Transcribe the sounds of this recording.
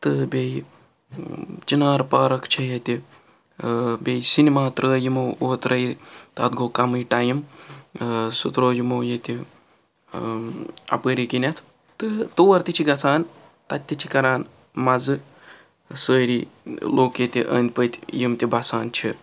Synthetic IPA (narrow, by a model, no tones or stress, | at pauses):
t̪ɨbʲej | t͡ʃinaːɾpaːɾɐkt͡ʃʰɐjɐt̪ʲi | bʲejsinimaːt̪ɾəːjimooːt̪ɾɐjt̪ɐt̪ɡoːkɐmɨjʈajim | sut̪ɾoːjimoːjet̪ʲi | ɐ̰pəɾikinʲɐt̪ʰ | t̪ɨt̪owɐɾt̪ʲit͡ʃʰiɡɐt͡sʰaːn | t̪ɐt̪ʲːit͡ʃʰikɐɾaːn | mɐzɨ | səːɾiloːkjet̪ʲiʔə̰ːnd̪̚pət̪ʲjimt̪ʲibɐsaːnt͡ʃʰi